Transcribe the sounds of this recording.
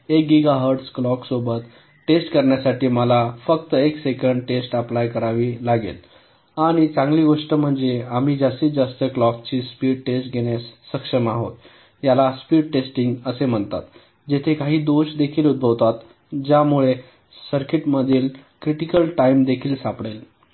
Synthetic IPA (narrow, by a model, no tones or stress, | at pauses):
ek̚ɡiɡaɦəɾʈsklɔksobət̪ | ʈesʈkəɾɳjasaʈiːməlafəkt̪əeksekəɳɖʈesʈəplajkəɾaʋiːlaɡḛl | aɽ̃it͡sãŋɡliːɡoʂʈəm̤əɳd͡zeam̤iːd͡zast̪iːd͡zast̪əklɔk̚t͡ɕiːspiːɖʈesʈ̚ɡʱeɽ̃jasːəkʂəmaɦot̪ | jalaspiːɽ̚ʈesʈiŋɡəsem̤əɳt̪a̰t̪ | d͡ʑet̪ʰekaɦiːd̪oɕd̪ekʰiːlud̪̚bʱəʋt̪at̪ | d͡ʑjamuɭe | səɾkiʈməd̪ʱiːlkɾiʈikəlʈaimd̪ekʰiːlsapɽel